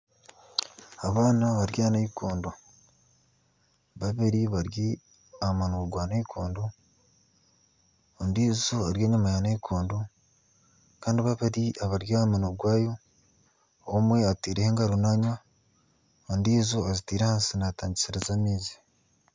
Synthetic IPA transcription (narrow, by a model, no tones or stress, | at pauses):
aβaːnaβaɾjaːnaikʰoːndo | βaβeɾiβaɾji | amanoɡwaːnaikʰoːndo | ndiːzo̞aɾjeːɲumajaneikʰoːndo | kaːndiβaβeɾiʔaβaɾjamanoɡwaːjo̞ | omwe̞atiːɾeheːŋɡaɾunaɲwa | ondiːzo̞azitiːɾehaːnsinataːɲɟisiɾezamiːzi̥